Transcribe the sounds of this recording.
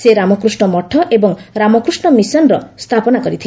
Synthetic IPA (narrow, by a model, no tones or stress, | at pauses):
seɾamɔkɾusɳɔmɔʈʰːɔʔebɔŋɾamɔkɾusɳɔmisɔnɾɔst̪ʰapɔnakɔɾit̪ʰil